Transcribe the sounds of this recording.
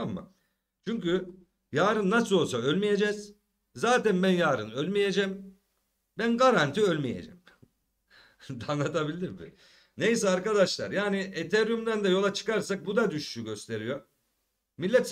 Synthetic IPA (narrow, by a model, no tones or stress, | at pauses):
amːa̰ | t͡ʃʰyɲcy | jaːɾɯnːasɯlˠo̞lˠsaølʲmije̞d͡ʒɛz̥ | zaːt̪ænbænjaːɾɯ̰nølʲmije̞d͡ʒɛm | bænɡaɾant̪ʰiølʲmije̞̰d͡ʒɛ̰m | d̪anlˠat̪ʰabilʲiɾbḭ | ne̞js̬ɛaɾkad̪aʃlˠa̰ɾjaːniʔet̪ʰeɾjymd̪ænd̪ɛjo̞lˠat͡ʃʰɯ̥kaɾsak̚bud̪ad̪yʃʃyɟø̞st̪ʰe̞ɾijo̞ | milʲːɛt̪s